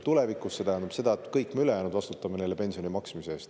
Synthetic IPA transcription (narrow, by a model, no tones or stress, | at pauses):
t̪ule̞vikusːe̞t̪æɦænd̪ub̥se̞d̪̥ɑet̪ːkɤjkːmeyle̞jæːnud̪vɑst̪ut̪ːˑɑmeneːlːe̞pe̞nsionimɑksmiseeːst̪